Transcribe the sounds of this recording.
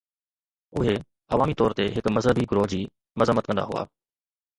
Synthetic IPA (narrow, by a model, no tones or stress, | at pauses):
ʊɦe | ɐʋaːmit̪ɔːɾt̪eɦɪkmɐzɦəbiɡɾoːd͡ʑiː | mɐzəmːət̪̚kɐ̃nd̪a̰ɦʊ̰a̰ː